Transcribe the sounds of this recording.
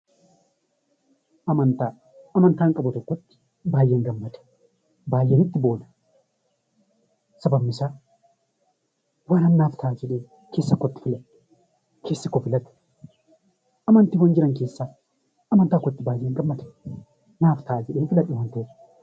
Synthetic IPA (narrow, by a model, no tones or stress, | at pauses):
ɐmɐnt̪a | ɐmɐnt̪aːŋkʼɐbɔt̪ɔkːɔt̪ːɪ̥ | baːjːeːŋɡɐmːɐt̪ɛ̥ | baːjːenɪt̪ːɪbo̞ːd̪ɐ̥ | sɐbɐbːɪsa | waːnɐmnaːft̪ʰaːd͡ʒɛᶑeː | ke̞ːsːɐkːɔt̪ːɪ̥fɪlɐ | kʰe̞ːsːɐkːɔfɪlɐt̪ɛ̥ | ʔɐmɐnt̪ɪwɐnd͡ʒɪɾɐŋke̞ːsːa | ʔɐmɐnt̪aːkːɔt̪ːɪbaːjːeːŋɡɐmːɐt̪ɛ̥ | naːft̪aːd͡ʒɛᶑeːnfɪlɐᶑɪwɐnt̪e̥ː